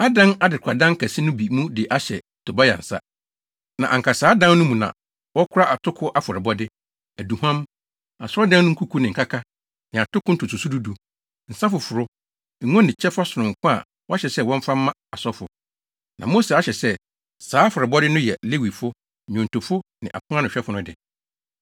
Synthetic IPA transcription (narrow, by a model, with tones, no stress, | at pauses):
a˦dã˦na˦dɪ˨kʷʰa˨dã˦ŋ̩˦kæ˨si˦nʊ̃˦bi˨mũ˦dɪ˨ʔa˦ɕɛ̰˨ | tʰo˨ba˦ja̰˨n̩˨sa̰˦ | nã˨ʔã̰˨ŋka˨saː˨˦dã˦nnʊ̃˦mũ˨nã̰˨ | wɔ˦kʰʊ˦ɾa˦ʔa˨tʰʊ˦kʰʊ˦ʔa˦fɔ˨ɾɛ˨bɔ˦dɪ˦ | æ˨du˨hã˦m | a˨sɔ˦dã˦n˦nʊ̃˦ku˦kʰu˦nɪ̃˨ŋ̩˨kʰa˦kʰa˦ | nɪ̃˨a˨tʰʊ˦kʰʊ˦n̩˦tʰʊ˨tʊ˨su˦du˦du˨ | n̩˨sa˦fʊ˨fʊ˨ɾʊ˦˨˦ | ŋɔ̃˦nɪ̃˨t͡ɕʰɛ˦fa˦sʊ˨ʊ̃˨ŋ̩˨kʰʷʊ̃˦a̰˨ | wɔ˦a˦ɕɛ˨sɛ˦˨wɔ̃˦ɱ̩˦fa˦mː˦ã˦a˨sɔ˦fʊ˨ | nã̰˨mo˦se˨a˦ɕɛ˨sɛ˦ | saː˦a˦fɔ˨ɾɪ˨bɔ˦dɪ˦nʊ̃˦jɛ˨le˦wi˨fʊ˦˨ | ɲʊ̃˨n˨tʊ˨fʊ˦nɪ̃˨ʔa̰˨kʰʊ̃˦ã˦nʊ̃˨ɛ˦fʊ˦nʊ̃˦dɪ˨